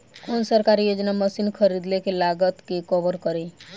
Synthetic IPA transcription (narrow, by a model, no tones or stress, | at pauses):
konsəɾkaɾijod͡ʒnaməsinkʰəɾid̪lekelaɡət̪kekɔbəɾkəɾe